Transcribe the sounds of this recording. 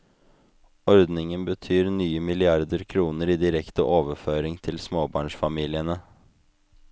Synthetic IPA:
ɔɾd̪nɪŋənbət̪ʰyːɾnyːəmɪlɪɑɾd̪əɾkʰɾuːnəɾiːd̪ɪɾɛkt̪ə̰ʔoːʋəføːɾɪŋt̪ʰɪlsmoːbɑ̰ːɳʂfɑmiːlɪənə

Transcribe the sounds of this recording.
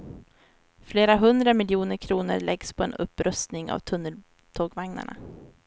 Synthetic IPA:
fleːɾaɦɵnd̪ɾamɪljuːnəɾkʰɾuːnəɾɭʔɛɡspʰɔɛnɵ̰pːɾœst̪nɪŋa̰vt̪ʰɵnːəl | t̪ʰoːɡvaŋna̰ɳa̰

